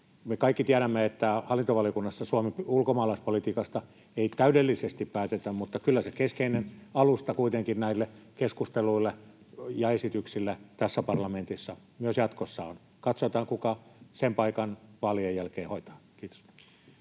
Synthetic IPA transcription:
mekɑikːit̪iæɾæmːeet̪ːæhɑlːˑint̪oʋɑliokunːɑsːɑsuɑmepulkomɑːlɑispolit̪iːkɑst̪ɑ | eit̪æydelːisest̪ippæːt̪et̪æmmut̪ːɑkylːæsekeskeinenɑlust̪ɑkuit̪eŋkinnæilːekeskust̪eluilːe | jɑesit̪yksilːæt̪æsːæpɑrlɑment̪isːɑmyøsjɑt̪kosːɑon | kɑt̪sot̪ɑːŋkukɑsempɑikɑnʋɑːliojjælkeːhoit̪ɑ̥ːkiːt̪o̥s

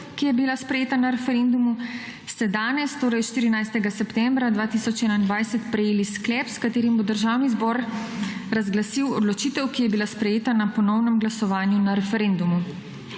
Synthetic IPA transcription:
kijɛbilaspɾɛjeːt̪anaɾɛfɛɾend̪umu | st̪ɛd̪aːnɛst̪oːɾɐjʃt̪iːɾinajst̪ɛɡasɛpt̪ɛmbɾad̪ʋaːt̪isɔt͡ʃɛːnaind̪ʋajsɛt̪pɾɛjeːlisklɛːpskat̪eːɾimbod̪əɾʒaːwnizbɔːɾ | ɾazɡlasiwɔd̪lɔt͡ʃiːt̪ɛwkijɛbilaspɾɛjeːt̪anapɔnɔwnɛmɡlasɔʋaːnjunaɾɛfɛɾeːnd̪umu

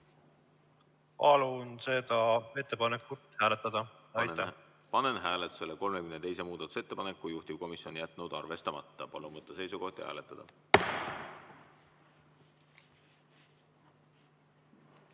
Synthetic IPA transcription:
pɑlunse̞d̪̥ɑe̞t̪ːepɑnekːut̪ːhæːlet̪ːˑɑd̪̥ɑɑj̪ɑ | pɑnenɦæːlet̪u̥se̞leko̞lmekymnet̪e̞jse̞muːd̪̥ɑt̪u̥se̞t̪ːe̞pɑne̞kːujuht̪iv̥ko̞misjo̞nʲijæt̪ˑːnud̪̥ɑrve̞st̪ɑmɑt̪ːɑpɑlunvɤt̪ːˑɑse̞jsuɡo̞ht̪ihæ̰ːlet̪ːˑɑd̪̥ɑ

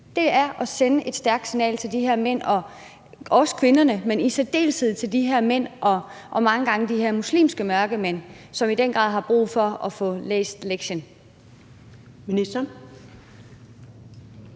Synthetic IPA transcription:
d̥e̝æɐʔɒ̽senəʔe̝d̥sd̥æɐɡ̥d̥sinɛ̰ːlt͡sʰe̝ld̥iɦeɐ̰men̰ɒ̽ | ɒ̽sə̥kʰʋe̝nɐnəmenised̥e̝̰ːlsið̩̰ˠt͡sʰe̝ld̥iɦeɐmen̰ʔɒ̽ | ʔɒ̽mɑ̈ŋəɡ̥ɑ̈ŋəd̥iɦeɐmuslḭːmsɡ̥əmɶɐɡ̥əmen̰ | sɒ̽mid̥en̰ɡ̥ʁɑ̰̈ð̰ˠɦɑ̈b̥ʁṵːðˠfɒ̽ɒfɔ̽lḛːsd̥leɡ̥ɕən | minisd̥ɐ

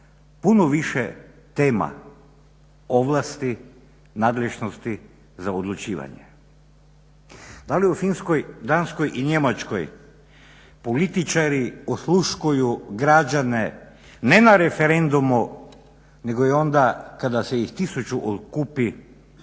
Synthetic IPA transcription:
punoʋiʃe | t̪e̞ːma̰ | o̞ʋlˠast̪i | naːd̪leʒnost̪i | zaod̪lut͡ʃiːʋa̰ɲḛ | d̪aliufinskojd̪ansko̞jʔiɲe̞mat͡ʃko̰j | polit̪it͡ʃaɾiosluʃkujuɡɾad͡ʒane | ne̞naɾefeɾe̞nd̪umu | ne̞ɡojeo̞nd̪akad̪aseixt̪isut͡ʃuʔot̪kupi

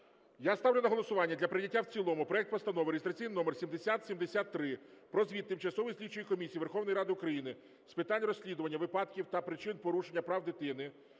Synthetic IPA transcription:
jast̪ɑwlʲʊnɐɦɔlˠɔsʊʋɑnʲːɐd̪lʲɐpɾɪnʲɐtʲːawt͡sʲilˠɔmʊpɾɔɛk̚t̪pɔst̪ɐnɔʋɾeist̪ɾɐt͡sʲijninɔmersʲimd̪esʲat̪sʲimd̪esʲat̪ːɾɪpɾɔzʋʲidt̪ːɪmt͡ʃɐsɔʋɪjsʲlʲit͡ʃːʊjikɔmʲisʲijʋerxɔwnɔjɾɑd̪ɪʊkɾɐjinɪ | spɪt̪ɑnʲrɔsʲlʲid̪ʊʋɐnʲːɐʋɪpɑd̪kʲiwt̪ɐpɾɪt͡ʃɪnpɔɾuʃenʲːɐpɾɑwd̪ɪt̪ɪnɪ

